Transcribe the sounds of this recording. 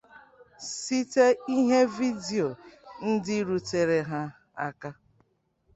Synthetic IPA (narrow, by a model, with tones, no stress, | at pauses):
si˦te˦i˦ɦe˦vi˦di˨o˨n̩˦dɪ˦ɾu˨te˨ɾe˨ɦa˦ | a̰˦ka˦